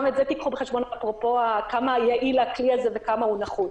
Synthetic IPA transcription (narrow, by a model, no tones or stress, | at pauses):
metzet̪ikχubeχeʃbonapʁopo̞akamajaʔilakliazevekamaunaχu